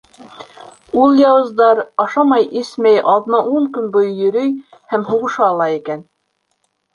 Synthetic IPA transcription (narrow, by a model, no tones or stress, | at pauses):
ulˠjɑwɤ̆zd̪ɑɾɑʃɑmɑjʔismæjʔɑldnɑʔuɴkɵnbojjɵ̆ɾɵjhæmɦuʁɤ̆ʃɑːlˠɑikæn